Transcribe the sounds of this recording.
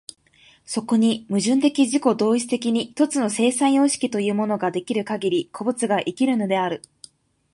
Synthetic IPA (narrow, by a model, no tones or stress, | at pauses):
so̞ko̞ɲ̟imɯ̟ʑɨ̃nt̪̬e̞kʲiʑiko̞d̪o̞ːit͡sɨ̥t̪e̞k̬ʲiɲ̟iç̥t̪o̞t͡sɨno̞se̞ːsãɰ̃jo̞ːɕi̥kʲit̪o̞jɯ̟ːmo̞no̞ɡad̪e̞kʲiɾɯ̟kaɡʲiɾʲikʰo̞bɯ̟t͡sɨɡaʔikʲiɾɯ̟no̞d̪e̞aɾɯ̟